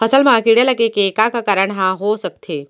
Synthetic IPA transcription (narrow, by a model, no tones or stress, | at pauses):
pʰəsəlmãkiɽelɐɡekekakakaɾəɳɦãɦosək̚t̪ʰe